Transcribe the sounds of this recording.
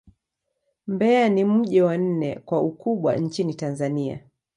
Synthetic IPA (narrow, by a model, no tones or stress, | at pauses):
mbɛanim̩ʄɛwan̩nɛ̰kwaukuɓwa̰ɲ̩t͡ʃinitanzania̰